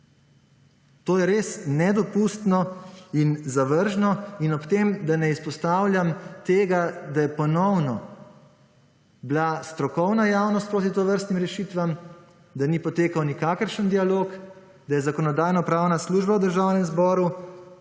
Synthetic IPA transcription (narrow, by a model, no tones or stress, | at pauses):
t̪oːjɛɾeːsnɛd̪ɔpuːst̪nɔinzaʋəɾʒnɔinɔpt̪eːmd̪anɛispɔst̪aːwlʲjamt̪eːɡad̪ajɛpɔnɔwnɔ | blast̪ɾɔkɔwnajawnɔst̪̚pɾoːt̪it̪oʋəɾst̪nimɾɛʃit̪ʋam | d̪anipɔt̪eːkawnikaːkəɾʃənd̪ialoːk | d̪ajɛzakɔnɔd̪aːjnɔpɾaːwnasluːʒbawd̪əɾʒaːwnɛmzbɔːɾu